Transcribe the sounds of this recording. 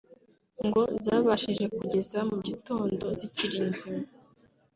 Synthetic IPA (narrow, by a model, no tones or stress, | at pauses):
ŋɡo̞zaːβaʃiʒe̞kuɟe̞zamuɟito̞ːndo̞ziciɾiːnzimo